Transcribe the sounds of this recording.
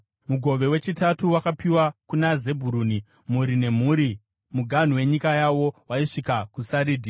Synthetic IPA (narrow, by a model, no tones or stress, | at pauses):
muɡʱo̞ʋe̞we̞t͡ʃitatuwakapiwakunaze̞bʱuɾuːni | muɾine̞m̤uːɾi | muɡʱan̤uwe̞ɲikajawo̞waiʂikakusaɾiːdʱi